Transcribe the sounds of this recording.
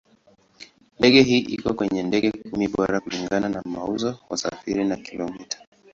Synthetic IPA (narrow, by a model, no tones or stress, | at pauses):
ndɛɠɛɦiːʔikɔkwɛɲɛndɛɠɛkumiɓɔɾakuliŋɡananamauzɔwasa̰fiɾinakilɔmitḁ